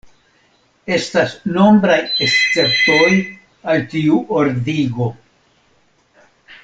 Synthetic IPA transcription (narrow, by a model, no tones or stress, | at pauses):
e̞stasno̞mbɾajest͡se̞ptoj | altiuʔoɾdiɡo̞